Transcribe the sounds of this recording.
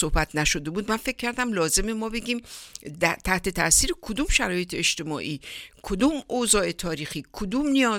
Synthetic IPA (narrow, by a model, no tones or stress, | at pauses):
sohbæt̪ʰnæʃod̪e̞buːd̪mænfe̞k̚ʰʲcːæɾd̪æmlɒːze̞memɒːbe̞ɡʲiːmd̪t̪ʰæht̪e̞t̪ʰæsiːɾekʰod̪umʃæɾɒːje̞t̪ʰeeʃt̪e̞mɒ̰ːʔiːkʰod̪uːmozɒːe̞t̪ʰɒːɾiːxiːkʰod̪uːmnijɒː